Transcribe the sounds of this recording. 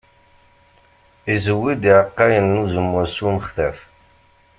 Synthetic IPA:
izəwːid̪iʕəqːɑjənːuzəmːʊsunəχθæf

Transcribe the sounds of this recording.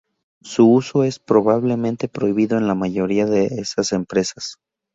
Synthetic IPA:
suuso̞e̞spɾo̞βaβle̞mẽnt̪e̞pɾo̞iβiðo̞e̞nlamaʝo̞ɾiaðe̞esase̞mpɾe̞sḁs

